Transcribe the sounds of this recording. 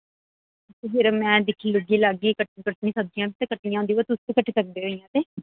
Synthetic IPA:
t̪eɦɪɾmɛ̃ːd̪ɪkʰːiːlʊɡiːlaːɡiːkəʈkəʈnĩːsək̚d̪ijãːkit̪ekəʈɳĩjãɦʊnd̪iːʋot̪ʊst̪eːkəʈʰːesək̚d̪eːɦoːijãːt̪eː

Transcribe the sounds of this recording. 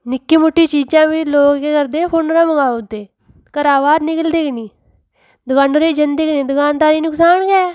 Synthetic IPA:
nɪkːiːmʊʈːiːt͡ʃiːd͡ʒãːʋiːloːkkeːkəɾd̪eːponːɾãːməŋaːʊt̪eː | kəɾaːʋaːɾnɪkəld̪eːkniː | d̪ʊkaːnoɾeːd͡ʒənd̪eːknĩːd̪ʊkaːnd̪aːɾiːnʊksaːnkɛː

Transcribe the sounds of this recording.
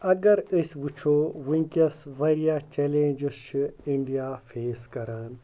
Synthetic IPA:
ɐɡɐɾisʲʋut͡ʃʰoːʋiŋkɐsʋɐɾijaːt͡ʃeːlẽːnd͡ʒɪst͡ʃʰiiɳɖijaːfʰeːskɐɾaːn

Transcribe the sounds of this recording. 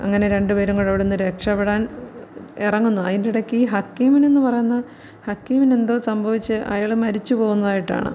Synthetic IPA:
ɐ̰ŋːɐne̞ɾe̞ɳɖɨʋɐɾuŋːɐɭɐʋiɽunːɨɾe̞kʂɐpeɽaːn | irɐŋːunːuɐðindiɽekːɨiːɦɐkːiːmine̞nːupɐrɐjunːɐ | hɐkːiːmine̞nd̪osɐmbʱɐʋit͡ɕːɨʔa̰ːjaɭmɐɾit͡ɕːupo̞ːɣunːɐðaːjiʈːa̰ːɳɨ̰

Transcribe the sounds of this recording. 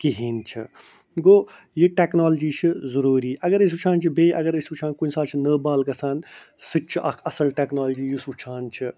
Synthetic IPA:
kiɦiːnt͡ʃʰḭ | ɡoː | jiʈeːknaːld͡ʒiːt͡ʃʰɨzɐɾuːɾiːʔɐɡɐɾəs̬ut͡ʃʰaːnt͡ʃʰibeːʔɐɡɐɾisuːt͡ʃʰaːnkunsaːt͡ʃʰinəːbaːlɡɐsaːnsɨt͡ʃʰɨʔɐkʰɐsɐlʈeːknaːld͡ʒiːjusut͡ʃʰaːnt͡ʃʰi

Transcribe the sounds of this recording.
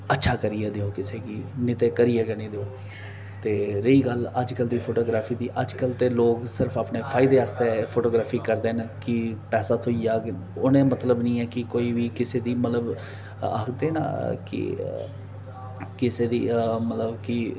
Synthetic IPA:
ətːʃʰaːkəɾiɛːd̪eːoːkɪseːkiːnɪt̪eːkəɾijeːkəniːd̪eːoː | t̪eːɾəiːɡələd͡ʒkəld̪iːpʰoːʈoːɡɾaːpʰiːd̪iːʔəd͡ʒkəlt̪eːloːksɪɾəfʰaːpneːpʰaːɪd̪eːaːst̪eːpʰoːʈoːɡɾaːpʰiːkəɾd̪eːnkɪpɛːsaːt̪ʰʊid͡ʒaː | ʊnẽːmət̪ləbnĩːɛːkɪkoːiːʋiːkɪseːd̪iːmət̪ləb | a̰ːkʰd̪eːna̰ːkɪ̰ | kɪseːd̪iːmət̪ləbkɪ

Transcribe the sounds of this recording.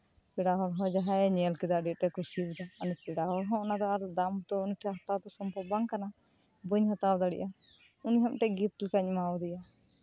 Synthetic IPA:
pɛɽaɦɔɾɦɔ̃d͡ʒaɦaɛɲɛlkɛd̪aɖit̪̚ʈɛkusibɛd̪aɔnpɛɽaɦɔɾɦɔ̃ɔnad̪ɔaɾd̪amt̪ɔuniʈʰɛɦɔt̪awd̪ɔsɔmpɔbaŋkana | buɲɦɔt̪awd̪aɽɛ̰ʔa | uniɦɔmʈɛɡip̚likaɲmaɔd̪ɛja

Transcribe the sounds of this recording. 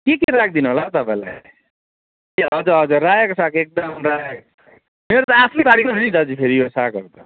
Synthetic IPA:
kekeɾak̚ʰd̪inuɦolat̪ʌpãĩla̰j | eʌd͡zʌʌd͡zʌrajʌksakek̚d̪ʌmrajʌk | meɾot̪ʌasʰlit̪aɽiknɦonid͡zʌd͡zipʰeɾijosakʌ̰ɾt̪ʌ

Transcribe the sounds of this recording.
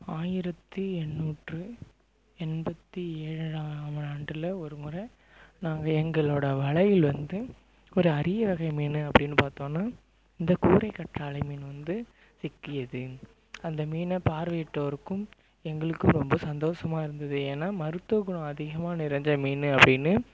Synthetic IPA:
aːjɪɾɐt̪ːɯɛnːuːʈrɯ | ɛnbɐt̪ːieːɻɐɻaːmɐaːɳɖɯlɐɔɾɯmʊɾɐ | naːŋɡɐɛŋɡɐɭoːɽɐʋɐɭɐjɪlʋɐnd̪ɯ | ɔɾɯɐɾɪjɐʋɐɣɐɪmiːnɯɐpːɐɽɪnːɯpaːɾt̪õːnːaː | ɪnd̪ɐkuːɾɐɪkːɐʈraːɭɐɪmiːnʋɐnd̪ɯ | sɪkːɪjɐðɯ | ɐnd̪ɐmiːnɐpaːɾʋɐːɪʈːɐɐɾɯkːɯm | ɛŋɡɐɭɯkːɯmɾɔmbɐsɐnd̪oːʂɐmaːɪɾɯnd̪ɐðɯeːnːaːmɐɾɯt̪ːoɣʊɳɐ̃ɐðɪɣɐmaːnɪɾɐɲd͡ʒɐmiːnɯɐpːɐɽɪnːɯ

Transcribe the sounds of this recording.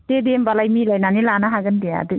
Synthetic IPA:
tedembalajmilajnanilanaɦaɡɯndija̰dɯ

